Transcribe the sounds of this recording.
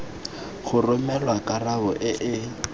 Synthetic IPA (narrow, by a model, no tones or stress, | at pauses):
χʊrʊmɛlwakʼaraʊʔɪʔɪ